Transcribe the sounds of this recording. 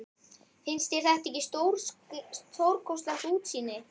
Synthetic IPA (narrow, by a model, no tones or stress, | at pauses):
fɪnst̪jɛɾ̥θɛht̪ɛhcːɪst̪owɾ | owɾkʰɔwst̪laxsuːt̪siːnɪ